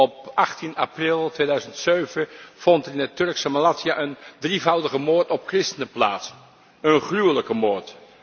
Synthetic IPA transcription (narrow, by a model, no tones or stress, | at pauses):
ɔpɑχtinaprɪlˠtʋejdœɥzəntsøɥvəv̥ɔntɪnətɵɹksəmalaːtiaʔəndrivʌwdəχəmoːɹtɔp̚krɪstənəplaːts | ənχrywələkəmoːɹt